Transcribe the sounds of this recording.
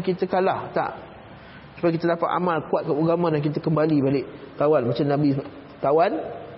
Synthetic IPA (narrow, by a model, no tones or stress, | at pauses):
kit̪əkalaht̪a̰ʔ | səbak̬it̪ədapat̪a̰mãlkuwat̪̚kauɡamãdaŋk̬it̪̬əkəmbalibalɪʔt̪awanmat͡ʃamnãbi | k̪awan